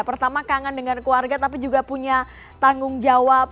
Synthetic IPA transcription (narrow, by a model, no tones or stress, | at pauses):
pərt̪amakaŋandəŋankluarɡat̪ap̬id͡ʒuɡapuɲa | t̪aŋɡʊŋd͡ʒawap̚